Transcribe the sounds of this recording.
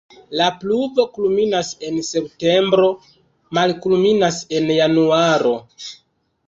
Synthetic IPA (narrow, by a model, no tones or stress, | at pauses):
lapluvo̞kulminase̞nse̞pte̞mbɾo̞ | malkulminase̞njanuaɾo̞